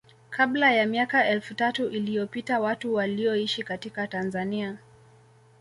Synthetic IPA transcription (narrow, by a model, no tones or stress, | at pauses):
kʰablajamiakaɛlfutatuʔilijɔpitawatuwaliɔiʃikatikatanzania